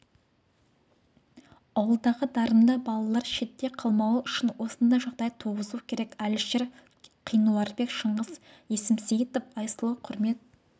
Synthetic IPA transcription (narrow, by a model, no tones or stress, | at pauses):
ɑwəlˠd̪ɑʁəd̪ɑɾəmd̪ɑbɑlˠɑlˠɑɾʃe̞t̪ːe̞qʰɑlˠmɑwəʏʃɪnwo̞sənd̪ɑʒɑʁd̪ɑjt̪ʰoʁəzukʲʰe̞ɾe̞kælɪʃeɾ | qʰijnuɑɾbe̞kʃəɴəz | je̞sɪmsijt̪ofɑjsəlˠəqʰʊɾme̞t̪̚